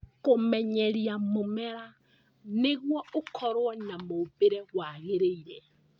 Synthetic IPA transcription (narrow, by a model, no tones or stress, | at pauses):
komɛɲɛɾjamomɛɾa | neɣwɔokʰɔɾwɔnamoβeɾɛɣwaɣeɾeiɾɛ